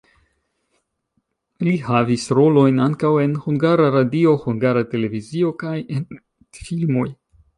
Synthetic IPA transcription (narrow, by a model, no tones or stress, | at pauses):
lihavisɾo̞lo̞jnaŋkawe̞nhuŋɡaɾaɾadio̞huŋɡaɾate̞le̞vizio̞kajen | filmo̞j